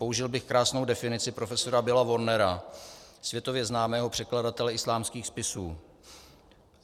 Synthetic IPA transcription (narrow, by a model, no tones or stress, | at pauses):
po̞uʒɪlbɪxkɾaːsno̞wdɛfɪnɪt͡sɪpɾo̞fɛso̞ɾabɪlavo̞ɾnɛɾa | svjɛt̪o̞vjɛznaːmɛːɦo̞pr̥ɛkladat̪ɛlɛɪslaːmskiːxspɪsuː